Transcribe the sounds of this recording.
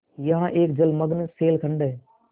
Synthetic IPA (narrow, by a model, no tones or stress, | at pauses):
jɦãːʔeːk̚d͡ʒəlməɠnseːlkʰəɳɖə